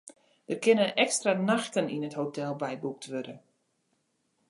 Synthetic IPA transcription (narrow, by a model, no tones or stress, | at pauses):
dərkɪnənʔɛkstranaxtəninəthotʰɛlˠbɛjbuk̚tʰʋødə